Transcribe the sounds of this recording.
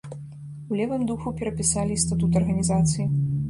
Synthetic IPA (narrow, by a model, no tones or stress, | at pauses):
ulʲɛvɨmd̪uxupʲɛɾɐpʲisalʲist̪at̪ut̪ɐrɣɐnʲizat̪sɨji